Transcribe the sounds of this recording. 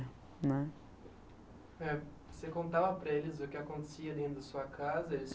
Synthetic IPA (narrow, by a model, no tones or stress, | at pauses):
nɛ | ɛ | sekõnt̪avɐpɾɐelɪzʊkɪakõnt̪e̥siɐd̪ẽnt̪ɾʊd̪ɐsuɐkʰazɐelɪs